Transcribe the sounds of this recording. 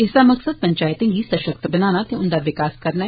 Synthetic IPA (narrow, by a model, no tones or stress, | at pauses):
ɪsd̪aːməksəd̪̚pəɲt͡ʃaːɪt̪ẽːŋɡiːsəʃək̚t̪bənaːñaːt̪eʊnd̪aːʋɪkaːskəɾna